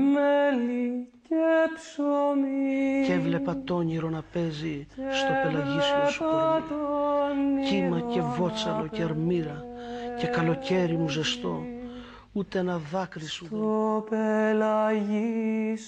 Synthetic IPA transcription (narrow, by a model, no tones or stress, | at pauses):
melicepsomievle̞pɐt̪o̞ɲiɾo̞nɐpe̞zist̪o̞pelɐʝisosot̪onimɐce̞vo̞t͡sɐlo̞ceɐɾmiɾɐce̞kɐlo̞ce̞ɾimuze̞st̪o̞ | ut̪eenɐðɐkɾiszuopelɐʝis